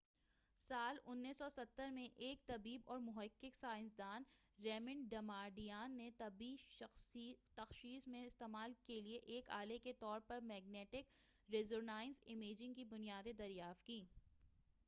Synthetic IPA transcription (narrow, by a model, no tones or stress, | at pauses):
saːlʊnːisɔsɐt̪ːəɾmẽʔeːk̚t̪ɐbiːbɔːɾmʊɦəkːɪksaːɪnsd̪aːnɾɛːmɪ̃ɳɖɖɐmaːɖijaːnːet̪ɐbiːst̪ɐxʃiːsmẽɪst̪eːmaːlkelieʔeːka̰ːleket̪ɔːɾpɐɾmɛːɡ̚nɛːʈɪkɾeːzoɾnaːɪnzɪmeːd͡ʒɪ̃ŋɡkibʊnijaːd̪ed̪ɐɾjaːft̪̚kiː